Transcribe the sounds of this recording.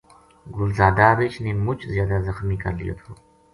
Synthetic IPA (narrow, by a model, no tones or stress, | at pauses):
ɡʊlzaːd̪aːɾet͡ʃniːmʊt͡ʃʰzjaːd̪azəxmiːkɐ̰ɾlḭjo̰t̪ʰoː